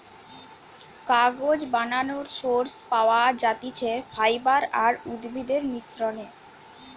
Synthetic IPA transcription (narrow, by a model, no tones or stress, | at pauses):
kaɡod͡ʑbananoɾsoɾspaoad͡ʑat̪it͡ɕʰefʰajbaɾaɾud̪bʱid̪eɾniʃɾone